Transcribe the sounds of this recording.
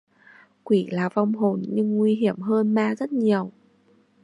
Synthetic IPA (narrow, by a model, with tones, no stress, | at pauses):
kwi˧˩laː˨˩va˧wŋ͡mɦo˨˩nɲɨ˧ŋːwi˧ɦi˧˩əmɦəː˧nmaː˧zə˦˥t̚ɲi˨˩əw